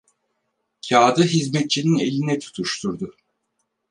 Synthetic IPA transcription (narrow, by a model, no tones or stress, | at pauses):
cʰaːd̪ɯɦizmɛt̪̚t͡ʃʰinine̞lʲinɛt̪ʰu̥t̪ʰuʃt̪ʰuɾd̪ʊ